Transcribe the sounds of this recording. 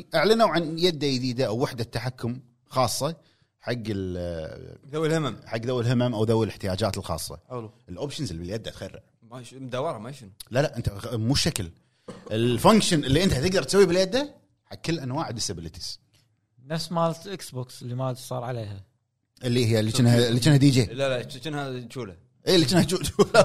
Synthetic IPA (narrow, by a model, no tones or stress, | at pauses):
ʔaʕlanawʕanjad̪ːajd̪iːd̪aʔawːɪħd̪at̪ːaħakːʊm | xɑːsˤːɑ | ħaɡːɪl | ðawlhɪmamħaɡːðawːɪlɦɪmamʔawðawːɪlʔɪħt̪ɪjaːd͡ʒaːt̪ɪlxɑ̰ːsˤːɑ̰lʔəlʔoːpʃənzɪlːibɪljad̪ːat̪xarːɪ̰ʕ | mamd̪awɑɾˤɑmaʃnlalaʔɪnt̪amuːʃakl | ʔɪlfaŋkʃənʔɪlːiʔɪnt̪at̪ɪɡd̪ɑɾˤt̪sawːibɪljad̪ːa | ħaɡkːɪlːʔanwaːʕd̪ɪsabɪlət̪ʰi̥z̥ | nafsmaːlt̪ʔɪksboːksɪlːimasˤɑːɾˤʕaleːha | ʔɪlːihɪjːalːit͡ʃɪnhalːit͡ʃɪnhad̪id͡ʒeːlalat͡ʃɪnhat͡ʃuːla | ʔiːlːit͡ʃɪnhat͡ʃut͡ʃuːla